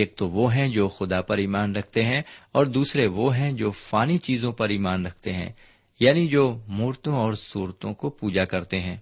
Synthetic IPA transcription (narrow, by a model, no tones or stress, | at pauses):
eːk̚t̪oʋoɦɛ̃d͡ʒoːxʊd̪apɐɾiːmaːnɾɐkʰt̪eɦɛ̃ɔːɾd̪uːsɾeʋoɦɛ̃d͡ʒoːfaːnit͡ʃiːzõpɐɾiːmaːnɾɐkʰt̪eɦɛ̰̃ː | jaːnid͡ʒoːmuːɾt̪õɔːɾsuːɾt̪õkopuːd͡ʒakɐɾt̪eɦɛ̃ː